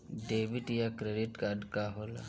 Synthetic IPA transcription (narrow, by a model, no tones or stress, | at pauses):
ɖeːʋɪʈjakɾeɖɪʈkaːɖkaɦoːla̰